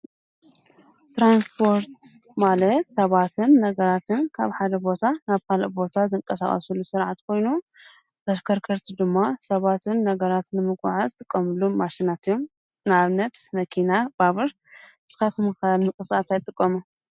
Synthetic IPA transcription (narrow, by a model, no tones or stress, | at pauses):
t̪ɾanspʰo̞ɾt̪ | malɐt̪sɐβat̪ʰɨnːɐɡɐɾat̪ʰɨnkʰaβħad̪ɐbo̞t̪ʰanaβkʰalʔbo̞t̪ʰazɨŋkʼɐsa̰χʼɐ̰sulːusɨɾʕat̪kʰo̞jnu | bɐɾkʰɐɾkʰɐɾt̪ʰid̪ɨmːasɐβat̪ʰɨnːɐɡɐɾat̪nɨmɨkʼṵʕazɨt̪ʼɨkʼːɐmɨlːumaʃinat̪ɨjːom | nɨaβnːɐt̪mɐkʰinab̥aβɨɾ | t̪ʰɨ̥xɐt̪ʰmukalmɨkʼɨsʼat̪ajt̪ʼɨkʼːɐmu